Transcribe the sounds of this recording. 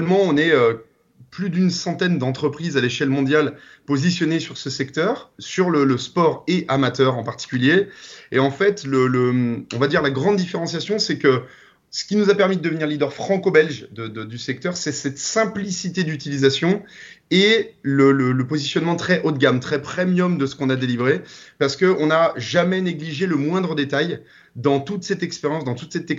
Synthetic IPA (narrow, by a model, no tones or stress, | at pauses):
lmɑ̃ɔ̃nɛø | plyd̪ynsɑ̃t̪ɛnd̪ɑ̃t̪χəpχizaleʃɛlmɔ̃d̪jal | pozisjɔnesyʁsəsɛk̚t̪œːʁsyʁlələspɔʁeʔamat̪œʁɑ̃paʁt̪i̥kʲyljeeɑ̃fɛt̪lələmɔ̰̃vad̪iʁlaɡʁɑ̃d̪ːifeʁɑ̃sjasjɔ̃sɛkə | sə̥kʲinuzapɛʁmid̪əd̪əvəniʁlid̪œʁfχɑ̃kobɛlʒd̪əd̪əd̪ysɛk̚t̪œʁsɛsɛt̪sɛ̃plisit̪ed̪yt̪ilizasjɔ̃elələləpozisjɔnmɑ̃t̪χɛʔot̪̚ɡʲamt̪χɛpχemjɔmd̪əsə̥kɔ̃nad̪elivʁepaʁsə̥kəɔ̃naʒamɛneɡliʒeləmwɛ̃d̪ʁəd̪et̪aj | d̪ɑ̃t̪ut̪sɛt̪ɛkspeʁjɑ̃sd̪ɑ̃t̪ut̪sɛt̪ɛ